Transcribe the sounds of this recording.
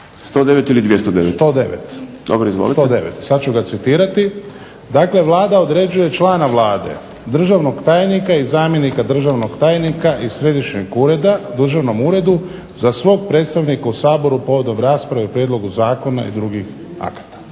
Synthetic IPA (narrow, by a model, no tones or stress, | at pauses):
st̪od̪eʋet̪ilid̪ʋʲjest̪od̪eʋest̪o̞ːd̪e̞̰ʋḛt̪ | d̪o̰bɾoizʋo̰lit̪d̪e̞̰ʋḛt̪sad̪t͡ʃuɡat̪sit̪iːɾat̪i | d̪aːkle̞ʋlˠaːd̪ao̞d̪ɾe̞d͡ʒuje̞t͡ʃlˠaːnaʋlaːd̪e̞̰ | d̪r̩ʒaʋno̞ɡt̪aːjnikaizaːmje̞nikad̪r̩ʒaʋno̞ɡt̪aːjnikaʔisɾe̞d̪iʃɲeɡuːɾe̞d̪ad̪r̩ʒaʋno̞muːɾe̞d̪u | zasʋo̞ːɡ̚pɾe̞ːt̪st̪aʋnikausaːbo̞ɾupo̞ʋo̞d̪o̞mɾaːspɾaʋeupɾjed̪lˠo̞ɡuzaːko̞na̰ḭd̪ɾuɡix | a̰kt̪ḁ